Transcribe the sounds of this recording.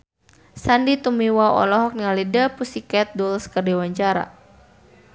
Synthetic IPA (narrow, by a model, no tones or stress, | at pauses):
sandit̪umiwaɔ̰lɔɦɔk̚niŋalidəpusikɛt̪̚dulskərdɛwaɲt͡ʃaɾa̰